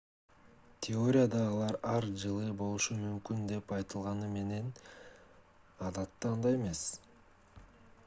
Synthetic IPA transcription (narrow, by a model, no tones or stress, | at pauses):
t̪ʲʰɪo̞ɾʲɪjad̪ɑːlˠɑɾɑɾd͡ʒɯlˠɯbo̞lˠuʃumymkynd̪e̞pɑjt̪ɯlˠʁɑnɯme̞ne̞n | ɑd̪ɑt̪ːɑnd̪ɑjeme̞s